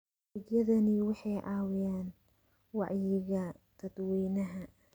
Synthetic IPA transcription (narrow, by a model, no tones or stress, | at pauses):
ɪɡjɐðɐnɪwɑħɑjʔɑːwɪjaːn | wɑ̰ʕjɪɣɐt̪ʰɐd̪wiːnɐɦɐ